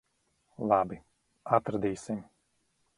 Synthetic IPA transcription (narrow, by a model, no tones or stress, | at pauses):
lˠabi | at̪ɾad̪iːsim